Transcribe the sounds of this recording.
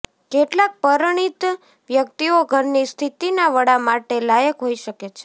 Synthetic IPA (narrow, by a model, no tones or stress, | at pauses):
keʈlak̚pəɾɳ̃it̪ | ʋjək̚t̪ioɡʱəɾnist̪ʰit̪inaʋəɽamaʈelajəkɦoiʃəket͡ʃʰe̥